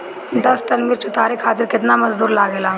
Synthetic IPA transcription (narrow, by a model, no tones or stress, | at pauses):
d̪ɐsʈənmɪːɾt͡ʃʊt̪aːɾekʰaːt̪ɪɾkɪt̪naːmɐzd̪uːɾlaːɡeːlaː